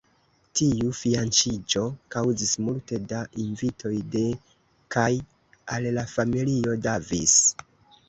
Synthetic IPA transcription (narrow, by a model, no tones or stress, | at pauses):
tiufiant͡ʃid͡ʒo̞kawzismulte̞daʔinvitʰo̞jde̞ | kaj | allafamilio̞davis